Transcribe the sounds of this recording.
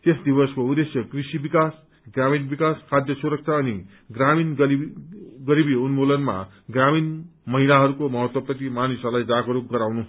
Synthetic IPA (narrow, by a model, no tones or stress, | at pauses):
t̪esd̪ibʌskoud̪esjʌkrisibikas | ɡraminbikaskʰad̪jʌsuɾʌk̚t͡ʃʰaʌni | ɡraminɡʌiɡʌɾibiunmolʌnma̰ | ɡraminmʌɦilaɦʌɾukomʌɦʌt̪wʌprʌt̪imanisʌlajd͡zaɡʌɾukɡʌɾawnu